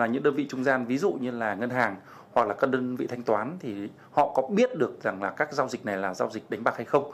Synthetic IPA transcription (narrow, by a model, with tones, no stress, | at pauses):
aː˨˩ɲɨ̰˧˥ŋɗəː˧nvḭ˧˨t͡ɕʊ˧ŋ͡mzaː˧nvi˨˦zṵ˧˨ɲɨ˧laː˨˩ŋə˧nɦaː˨˩ŋ | hwa˨˩k̚laː˨˩kaː˦˥k̚ɗəː˧nvḭ˧˨t̪ʰa˧jŋ̟t̪waː˨˦nt̪ʰi˨˩ | hɔ̰˧˨kɔ˨˦ɓi˦˥ət̚ɗɨ˨˩ək̚za˨˩ŋlaː˨˩kaː˦˥k̚zaː˧wzï˨˩k̟̚na˨˩jlaː˨˩zaː˧wzï˨˩ɗa˨˦ŋ̟ɓaː˨˩k̚ha˧jxə˧wŋ͡m